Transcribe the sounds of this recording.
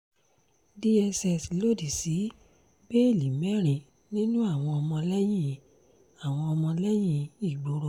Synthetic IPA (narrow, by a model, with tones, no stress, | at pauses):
di˦ɛ˧sɛ˨si˨lo˦˨di˨si˨˦ | be˦e˦˨li˨mɛ˨˦ɾ̃ĩ˨ | nĩ˦nũ˦a˦˨w̃ɔ̃˧ɔ˧mɔ̃˧lɛ˦j̃ĩ˦ | a˦˨w̃ɔ̃˧ɔ˧mɔ̃˧lɛ˦j̃ĩ˦i˦˨ɡ͡bo˨˦ɾo˧˨